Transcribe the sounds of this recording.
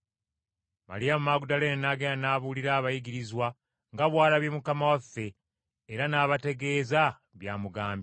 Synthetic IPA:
ma̰ɾijamumaːɡudaleːnnaːɡendanaːβuliɾaːβajiɡiɾizwa | ŋɡaβwaːlaβjemukamawafːe̞ː | ɾanaːβate̞ɡe̞ːza | βjaːmuɡaːmb

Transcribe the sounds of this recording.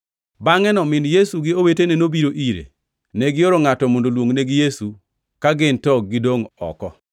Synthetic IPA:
baŋɛnɔmɪnjesuɡɪowetenenobiɾoʔiɾḛ | neɡɪoɾoŋatɔmondolwoŋneɡɪjesu | kaɡɪntɔɡ̚ɡːɪdoŋɔ̰kɔ

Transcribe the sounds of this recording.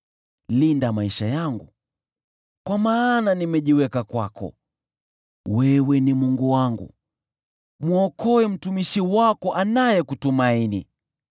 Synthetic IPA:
lindamaiʃajaŋɡu | kwamaːnanimɛʄiwɛkakwakɔ̰ | wɛwɛnimuŋɡuwaŋɡṵ | muɔkɔɛm̩tumiʃiwakɔʔanajɛkutumainḭ

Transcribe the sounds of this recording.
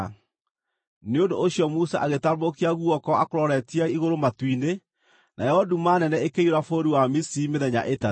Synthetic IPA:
neondoʔːɕjɔmusaʔaɣetamokiaɣuɔkɔakoɾɔɾɛtiaiɣoɾomatwine | nʔajɛɔdumanɛnɛekeioɾafoɾiwamisimeðɛɲa̰ʔeta

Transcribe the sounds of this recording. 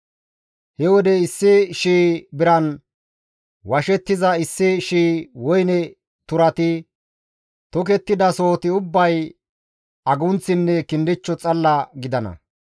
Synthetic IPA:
hɛwɔd̪ɛɪsːɪʃiːbɪɾɐn | wɐʃɛt̪ːɪzɐɪsːɪʃiːwɔjnɛ | t̪ʊɾɐt̪ɪ | t̪ɔk̬ɛt̪ːɪd̪ɐsoːt̪ɪʊbːɐj | ɐɡʊnt͡sːɪnːɛkɪnd̪ɪt͡ʃːɔt͡sʼɐlːɐɡɪd̪ɐnɐ̰

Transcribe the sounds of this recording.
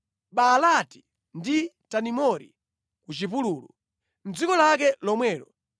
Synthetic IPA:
ɓalati̥ | nditanimɔɾḭ | kut͡ʃipuluːlu | n̩d͡zikɔlakɛlɔmwɛːlɔ

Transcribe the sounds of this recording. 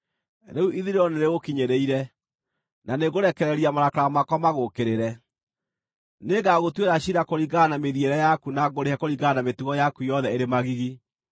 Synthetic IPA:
ɾeuʔiðiɾeɾɔneɾeɣokiɲeɾeiɾɛ | naneɣoɾɛkɛɾɛɾiamaɾakaɾamakɔmaɣokeɾeɾɛ | neɡaɣotweɾaɕiɾakoɾiɣanameðieɾɛjakunaɡoɾehakoɾiɣanametuɣɔjakujɔðɛeɾemaɣiɣi

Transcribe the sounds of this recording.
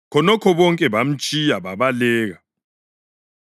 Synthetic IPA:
kʰɔnɔkʰɔβɔŋkʼɛβam̩t͡ʃʼijaβaβalɛːɣa

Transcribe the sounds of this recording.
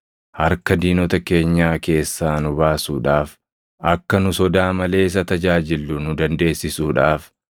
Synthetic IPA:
hɐɾkɐd̪iːnɔt̪ɐke̞ːɲːaːke̞ːsːaːnʊbaːsuːᶑaːf | ʔɐkːɐnʊsɔd̪aːmɐle̞ːɪs̬ɐt̪ɐd͡ʒaːd͡ʒɪlːʊnʊd̪ɐnd̪e̞ːsːɪsuːᶑaːf

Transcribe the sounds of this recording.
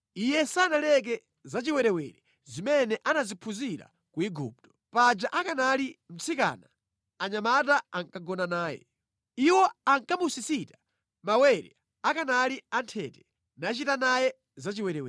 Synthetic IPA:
ijɛsanalɛk̬ɛ | zat͡ʃiwɛɾɛwɛɾɛ | zimɛnɛʔanazipʰuziɾa̰ | kuiɡṵːp̚tɔ̥pad͡ʒaʔakanalim̩t͡sʰika̰na | aɲamataaŋkaɡɔnanaːjɛ̰ | iwɔaŋkamusisitḁ | mawɛɾɛ̰ | akanaliantʰɛ̰tɛ̥ | nat͡ʃitanajɛ | zat͡ʃiwɛɾɛwɛ

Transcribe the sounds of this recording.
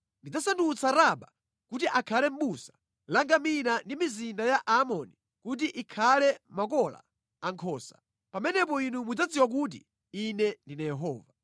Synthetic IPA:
ndid͡zasandut͡sʰaɾaɓa | kut̬iʔakʰalɛm̩ɓusḁ | laŋɡaminandimizindajaʔamɔni | kut̬iʔikʰalɛmakɔla̰ | aŋkʰɔːsḁ | pamɛnɛp̬ɔinumud͡zad͡ziwak̬uːt̬ḭ | inɛndinajɛɦɔːva

